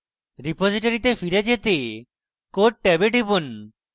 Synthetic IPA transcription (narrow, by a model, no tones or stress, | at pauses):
ɾipod͡ʑiʈaɾit̪efiɾed͡ʑet̪e | koʈ̚ʈɛbeʈibon